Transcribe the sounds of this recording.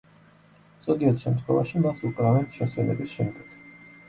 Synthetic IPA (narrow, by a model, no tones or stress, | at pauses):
z̥ʼɔɡiɛt̪ʃɛmt̪ʰχwɛ̰vaʃimasukʼɾavɛnt̪ʃɛswɛnɛ̰bisʃɛmɡɛt̪ʰ